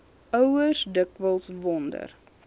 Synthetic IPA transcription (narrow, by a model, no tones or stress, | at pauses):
ʔœwərsdəkvəlˠsvɔndə̰r